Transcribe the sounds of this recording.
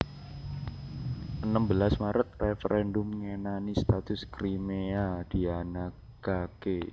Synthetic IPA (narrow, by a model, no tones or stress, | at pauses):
ʔənəmbəlasmaɾət̪̚refəɾɛndʊmŋenanist̪at̪ʊskɾimead̥ianak | ɡ̥ake